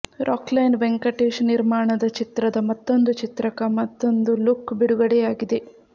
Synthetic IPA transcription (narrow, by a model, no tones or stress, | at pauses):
ɾʔaːklɐjnʋeŋkɐʈːeːʂniɾmaːɳɐd̪ɐt͡ʃit̪ɾɐd̪ɐmɐt̪ːo̞nd̪ut͡ʃit̪ɾɐkɐmɐt̪ːo̞nd̪ulukbiɽuɡɐɽɛjaːɡid̪e̞